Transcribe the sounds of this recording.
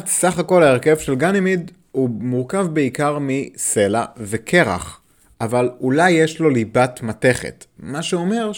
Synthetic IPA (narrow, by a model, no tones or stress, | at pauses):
tsaχako̞laeʁke̞vʃe̞lɡanimid̪ | umuʁkavbeikaʁmise̞la̰vekʰe̞ʁa̰χ | ʔavalulajːeʃlo̞libatmate̞χḛtmaʃeuome̞ʁ